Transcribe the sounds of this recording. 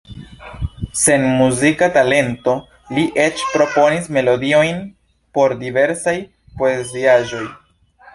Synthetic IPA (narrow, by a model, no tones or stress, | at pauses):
se̞nmuzikatale̞nto̞ | liʔe̞t͡ʃpɾo̞po̞nisme̞lo̞dio̞jn | po̞ɾdive̞ɾsaj | po̞e̞ziaʒo̞j